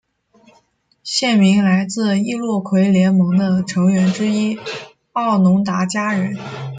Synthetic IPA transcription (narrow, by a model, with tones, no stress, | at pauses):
ɕjɛ˥˩nmi˧˥ŋla˧˥ɪt͡sɹ̩˥˧i˥lwɔ˥˩kʰwe˧˥ɪljɛ˧˥nmɤ˧˥ŋd̪ə˧ʈ͡ʂʰɤ˧˥ŋɥɛ˧˥nʈ͡ʂɻ̩˥i˥ | ɑ˥˩ʊnʊ˧˥ŋt̪a˧˥t͡ɕja˥ɻə˧˥n